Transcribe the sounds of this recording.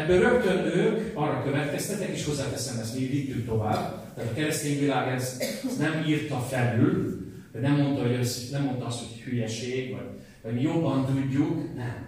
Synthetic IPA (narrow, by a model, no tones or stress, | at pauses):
ɛbːøɾø̞kt̪ønøːkɒrːɒkøvɛt̪kɛst̪ɛt̪ːɛkeːʃho̞zːaːt̪ɛsɛmɛsmilit̪ːyk̚t̪o̞vaːb | t̪aːt̪ɒkɛɾɛst̪eːɲvilaːɡɛzznɛmiːrt̪ɒfɛlyl | hɒɟnɛmːo̞nt̪ɒɦojøsnɛmːo̞nt̪ɒɒst̪ho̞chyjɛʃeːɡvɒ̰ɟ | vɒɟmijo̞bːɒnt̪uɟːuknɛm